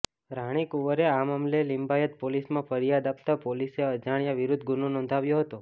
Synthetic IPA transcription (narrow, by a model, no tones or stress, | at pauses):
ɾaɽ̃ikuʋəɾeamamlelimbajət̪̚polismãfʰəɾijad̪ap̚t̪apoliseəd͡ʒaɽ̃jaʋɪɾʊd̪ʱɡunonɔ̃nd̪ʱaʋjoɦət̪o